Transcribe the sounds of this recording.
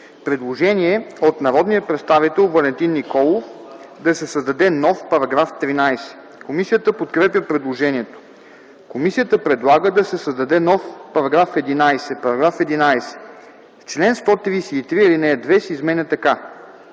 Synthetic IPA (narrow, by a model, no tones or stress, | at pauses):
pɾɛd̪lˠoʒɛniɛot̪nɐɾɔd̪nijəpɾɛt̪st̪avit̪ɛlˠvɐlɛnt̪inːikɔlˠofd̪ɐsɛsɐzd̪ɐd̪ɛnɔfpɐɾɐɡɾaft̪ɾinajsɛ̥ | komisijət̪əpot̪kɾɛpjəpɾɛd̪lˠoʒɛniɛt̪o̥ | komisijət̪əpɾɛd̪lˠaɡəd̪ɐsɛsɐzd̪ɐd̪ɛnɔfpɐɾɐɡɾafɛd̪inajsɛpɐɾɐɡɾafɛd̪inajsɛ̥ | ft͡ʃlɛnst̪ɔt̪ɾijsɛit̪ɾiilinɛd̪vɛsizmɛnʲət̪ɐka